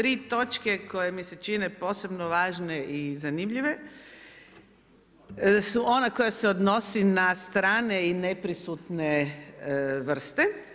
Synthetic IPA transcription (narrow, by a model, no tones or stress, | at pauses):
t̪ɾiːt̪o̞t͡ʃkeko̞jemise̞t͡ʃine̞po̞ːse̞bnoʋaːʒneʔizanimʎiʋe | suʔonakojaseod̪no̞sinast̪ɾaːne̞inepɾisut̪ne | ʋr̩st̪e